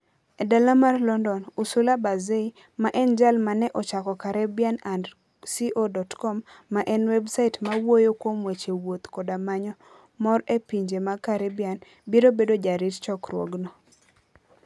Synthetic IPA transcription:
edalamarlɔndɔnusulabazei | maʔɛnd͡ʒalmanɛʔɔt͡ʃakɔkaɾɛbjanand | siʔodɔtkɔmːaʔɛnwɛbsaɪtmawojokwomwet͡ʃewot̪kɔdamaɲɔ | mɔɾepiɲd͡ʒemakaɾɛbjan | biɾobedod͡ʒaɾitt͡ʃɔkɾwɔ̰ɡnɔ

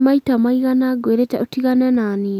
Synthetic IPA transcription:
maitamaiɣanaɡweɾetɛotiɣanɛnani

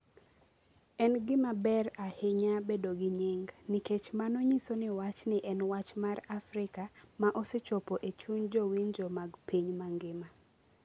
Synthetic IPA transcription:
ɛnɡɪmabɛrahɪɲabedoɡɪɲiŋɡniket͡ʃmanoɲisonɪwat͡ʃnɪʔɛnwat͡ʃmarafɾɪkamaʔɔset͡ʃɔpoʔet͡ʃuɲd͡ʒowind͡ʒɔmaɡpiɲmaŋɡɪma

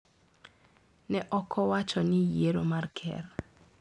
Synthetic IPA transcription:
nɛʔɔkʰɔwat͡ʃɔnɪjeɾomarkʰɛ̰r

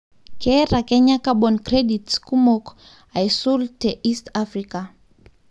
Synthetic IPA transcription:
kɛɾakɛɲakaɓɔnkreɗitskumok | ajsultɛʔistafrika

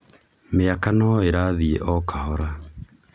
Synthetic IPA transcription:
meakanɔeɾaðiḛʔɔkʰahɔɾa

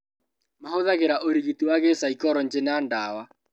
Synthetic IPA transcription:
mahoðaɣeɾaʔoɾiɣitiwaɣesaikɔɾɔnd͡ʒenandaːwa

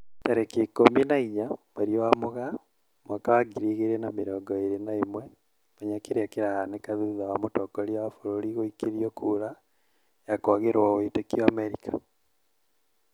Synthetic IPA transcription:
taɾekekominaiɲamaɾiowamoɣa | mwakawaɡiɾiɣeɾenamiɾɔːɡɔeɾenaimwe | maɲakeɾakeɾahanekaðuðawamotɔkoɾiwafoɾoɾiɣoikiɾiɔkʰuːɾa | jakwaɣeɾaoitekioameɾikḁ

